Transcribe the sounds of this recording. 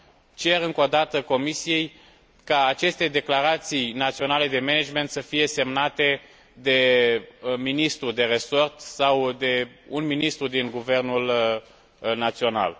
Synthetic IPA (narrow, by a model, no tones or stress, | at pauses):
t͡ʃe̞ɾɨŋko̞d̪at̪əko̞misije̞j | kaːt͡ʃe̞st̪e̞d̪e̞klaɾat̪sijnat̪sio̞nale̞d̪e̞mened͡ʒme̞nt̪səfije̞se̞mnat̪e̞ | d̪e̞ | minist̪ɾud̪e̞ɾe̞so̞rt̪sawd̪e̞unminist̪ɾud̪inɡuve̞rnul | nat̪sio̞na̰l